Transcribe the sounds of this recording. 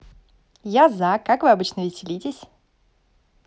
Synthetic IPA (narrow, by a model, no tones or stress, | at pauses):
jazakːakvɨɐbɨt͡ɕnəvʲɪsʲɪlʲitʲɪsʲ